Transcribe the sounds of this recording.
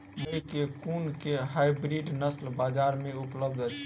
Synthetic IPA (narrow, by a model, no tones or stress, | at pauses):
məikekunkeɦajbɾiɖnəslbad͡ʒaɾmeupləb̚d̪ʱət͡ʃʰ